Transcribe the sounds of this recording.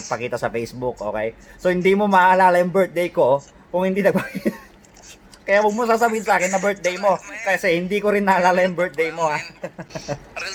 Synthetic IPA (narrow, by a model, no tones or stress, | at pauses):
ɡ̚pɐkiːt̪ɐsɐpɛjsbʊkʔo̞ːkɛjsohɪnd̪iːmomɐʔaʔɐlaːlɐjʊŋbɛɹt̪̚d̪ejko̞ | kʊŋhɪnd̪inɐɡ̚pɐɡi | kɐjawɐɡ̚mʊŋsaːs̬ɐbiːhɪnsaːkɪnːɐbɛɹt̪̚d̪ejmo̞kɐsɛhɪnd̪iːkoɾɪnːɐʔɐlaːlajʊŋbɛɹt̪̚d̪ejmo̞ha